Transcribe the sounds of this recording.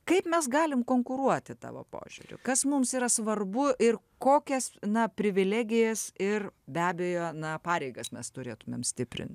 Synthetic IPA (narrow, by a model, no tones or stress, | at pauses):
kɐɪpmʲɛsɡɑːlʲɪmkoːŋkʊɾuɔt̪ʲɪt̪ɑ̰ːʋo̰ːpo̰ːʒʲʊ̰ɾʲʊ̰kɐsmʊmsiːɾɐsʋɐrbʊʔɪr | koːkʲɛsnɐpʲɾʲɪʋʲɪlʲæːɡʲɪjɛsɪrbʲæːbʲejoːnɐpɑːɾʲɛɪɡɐsmʲɛst̪ʊɾʲeːt̪ʊmʲḛmsʲt̪ʲɪpʲɾʲɪ̰nʲt̪ʲ